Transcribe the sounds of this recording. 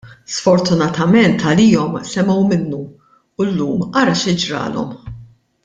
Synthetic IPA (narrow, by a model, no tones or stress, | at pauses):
sfɔɾt̪ʊnɐt̪ɐmɛnt̪ʰɐliːɔmsɛmɛwmɪnːu | ʊlːuːmɐɾɐʃɪd͡ʒɾɐ̰ːlɔ̰m